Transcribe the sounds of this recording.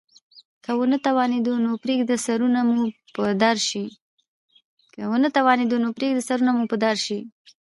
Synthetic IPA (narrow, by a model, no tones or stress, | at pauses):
kəwənət̪awɑned̪onopɾeɡd̪əsaɾunamupəd̪aɾʃi | kəwənət̪awɑned̪onopɾeɡ̚d̪əsaɾunamupəd̪aɾʃi